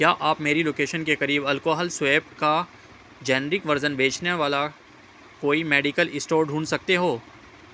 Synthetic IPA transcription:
kjaːʔaːpmeːɾiloːkeːʃənkekɐɾiːbɐlkoːɦəlsʋeːpka | d͡ʒɛːnɾɪkʋɐɾzənbʱeːt͡ʃneʋaːla | koːimeːɖɪkəlɪsʈoːɾɖʱũːnsɐk̚t̪eɦoː

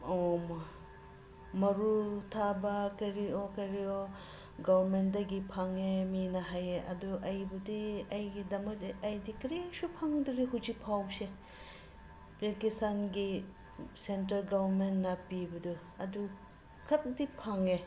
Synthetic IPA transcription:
oma | mɐɾutʰabɐkɐɾiokɐɾio | ɡabɐɾmentdɐɡipʰaŋeminɐɦajeʔɐ̰duʔɐjbudiɐjɡidɐmɐdiɐjdikɾisupʰaŋdɾiɦuzipʰawse | pɾekistanɡi | sentɐɾɡabɐɾmentnɐpibɐdu | ɐdu | kʰɐt̚dipʰaŋe

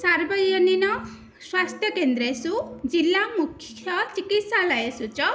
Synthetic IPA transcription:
saɾbɔjɔninɔ | swast̪ʰjɔkend̪ɾesud͡ʒilːamukʰjɔt͡ʃikit̪salajesut͡ʃɔ

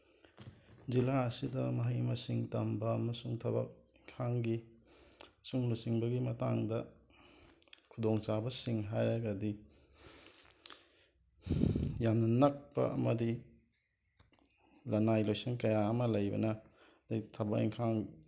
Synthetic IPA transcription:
d͡ʒilaɐsidɐmɐɦɐjmɐsiŋtɐmbɐːmɐsuŋtʰɐbɐ̰k̚iŋkʰaŋɡi | suŋlusiŋbɐɡimɐtaŋdɐ | kʰudoŋt͡ʃabɐsiŋɦajɾɐɡɐdi | jamnɐnɐk̚pɐ̰ɐ̰mɐdi | lɐnajlojsinkɐjaɐmɐlɐjbɐ̰nɐ | dɐjtʰɐbɐk̚ḭŋkʰaŋ

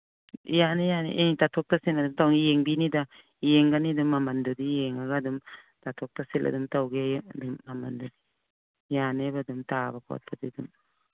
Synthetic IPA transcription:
janejanḛʔeŋtatʰɔk̚tasinadumtawnijeŋbinida | jeŋɡanidumːamɐndudijeŋaɡadum | tatʰɔk̚tasilɐ̰dumtawɡedumːamɐndudi | janebadumtabɐkʰɔ̰t̚bɐdidum

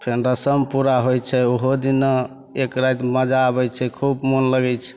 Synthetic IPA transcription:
pʰeɳɖəsəmpuɾaɦojt͡ʃʰɛoɦod̪inə | ekɾajt̪məd͡ʒaəβɛjt͡ʃʰɛkʰubmonləɡɛt͡ʃʰɛ̥

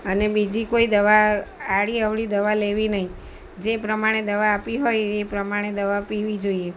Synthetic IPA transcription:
ənebid͡ʒikoid̪əʋaaɽiəʋɭid̪əʋaleʋinəɦi | d͡ʒepɾəmaɽ̃ed̪əʋaːpiɦojepɾəmaɽ̃ed̪əʋapiʋid͡ʒoie

